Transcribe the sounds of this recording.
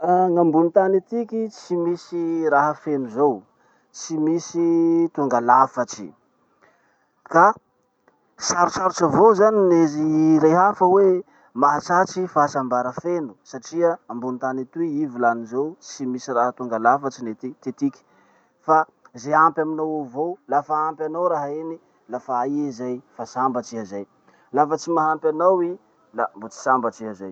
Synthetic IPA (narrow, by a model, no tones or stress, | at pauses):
ŋambunit̪anit̪ikʲit͡simisiɾaɦəfenuzow | t͡simisit̪uŋɡalafat͡ʃi̥̰ | ka | saɾusaɾut͡ʃavozanineziɾeɦafəwe | maɦat͡sat͡ʃifasambaɾəfenusaʈ͡ʂiəambunit̪anit̪uiivilanizowsimisiraɦət̪uŋɡəlafət͡sinet̪it̪et̪iki̥ | fa | zeampʲaminawavowlafaampʲanawɾaɦaeni | lafaaiizajfasambat͡siɦazaj | lafət͡simaɦampjanawi | lambot͡si̥sambat͡ʃiazaj